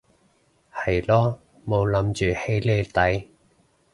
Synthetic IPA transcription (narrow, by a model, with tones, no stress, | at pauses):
hɐ˨˩jlɔː˥ | mo˨˧wlɐ˨˥mt͡ʃyː˨he˧jle˧t̪ɐ˨˥j